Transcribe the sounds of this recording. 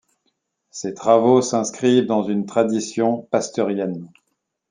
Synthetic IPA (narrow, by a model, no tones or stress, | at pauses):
set̪χavosɛ̃skχivd̪ɑ̃zynt̪χad̪isjɔ̃past̪œʁjɛn